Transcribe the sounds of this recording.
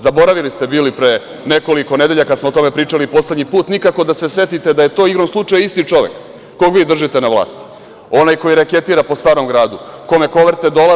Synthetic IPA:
zabo̞ɾaʋilist̪e̞biːlipɾeː | ne̞ko̞liko̞ne̞d̪e̞ʎakad̪smoot̪o̞me̞pɾiːt͡ʂalipo̞sled̪ɲipuːt̪nikako̞d̪asesʋe̞t̪it̪e̞d̪ajet̪o̞ːiɡɾonslˠut͡ʂajist̪it͡ʂo̞ʋḛkː | oɡʋiːd̪r̩ʒit̪e̞naʋlˠa̰ːst̪i̥ | o̞najko̞jiɾake̞t̪iːɾapo̞st̪aːɾo̞mɡɾaːd̪uko̞me̞ko̞ʋeɾt̪ed̪o̞la

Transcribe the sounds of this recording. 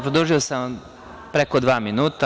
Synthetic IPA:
pɾod̪oʒiosam | pɾekod̪ʋaːminuːt̪a

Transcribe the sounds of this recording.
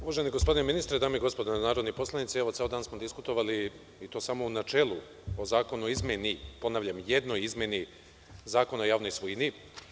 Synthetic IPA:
uʋaʒeniɡospo̞d̪ineminist̪ɾed̪aːmeiɡspo̞d̪onaːɾod̪nipo̞slˠanit̪sieʋoeod̪aːnsmo̞d̪iskut̪o̞ʋali | it̪o̞ːsamo̞unat͡ʃe̞ːlˠu | o̞zaːko̞nuizmʲjenipo̞naːʋʎamje̞d̪nojizmʲje̞ni | zaːko̞no̞jaːʋno̞jsʋujni

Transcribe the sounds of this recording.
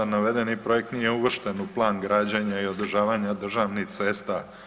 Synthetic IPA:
anaʋed̪enipɾo̞jek̚t̪nijeuʋr̩ʃt̪enuplˠaːnɡɾaːd͡ʑaɲaio̞d̪r̩ʒaːʋaɲad̪r̩ʒaʋnixt̪sest̪a

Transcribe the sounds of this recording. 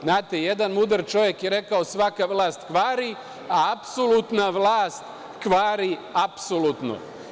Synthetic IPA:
znaːt̪ejed̪anmud̪r̩t͡ʃo̞ʋjekjeɾe̞kaosʋakaʋlˠaːst̪kʋaːɾi | aapsolut̪naʋlˠaːst̪ | kʋaːɾiapsolut̪no̰

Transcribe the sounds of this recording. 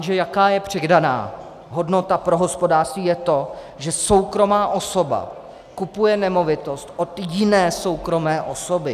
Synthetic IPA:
ʒɛjakaːjɛpr̝̥ɛɡdana̰ː | ɦo̞dno̞t̪apɾo̞ɦo̞spo̞daːrrst̪viːjɛt̪o̞ | ʒɛso̞wkɾo̞maːʔo̞so̞ba̰ | kupujɛnɛmo̞vɪt̪o̞st̪ʔo̞t̪jɪnɛːso̞wkɾo̞mɛːʔo̞sobɪ

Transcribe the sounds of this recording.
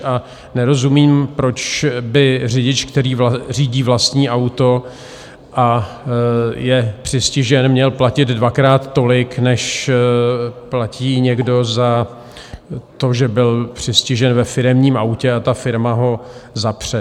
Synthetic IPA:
a | nɛɾo̞zumiːmpɾo̞t͡ʃbɪr̝ɪɟɪt͡ʃkt̪ɛɾiːvriːɟiːvlast̪ɲiːʔawt̪o̞ | ʔa | jɛpr̝̥ɪscɪʒɛnmɲɛlplacɪd̪dvakɾaːt̪ːo̞lɪknɛʃ | placiːɲɛɡdo̞za | t̪o̞ʒɛbɪlpr̝̥ɪscɪʒɛnvɛfɪɾɛmɲiːmʔawcɛat̪afɪɾmaɦo̞zapr̝̥ɛ

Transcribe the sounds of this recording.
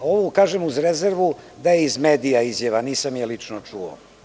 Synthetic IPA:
oʋokaːʒemuzɾezeɾʋud̪ajeizmeːd̪ijaizjaʋaniːsamjalit͡ʂnot͡ʂuo̰

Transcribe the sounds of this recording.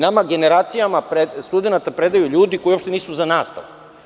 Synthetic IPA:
namaɡe̞neɾaːt̪sijamapɾest̪ud̪enat̪apɾed̪ajuʎuːd̪iko̞jio̞pʃt̪eniːsuzanaːst̪a̰ʋ

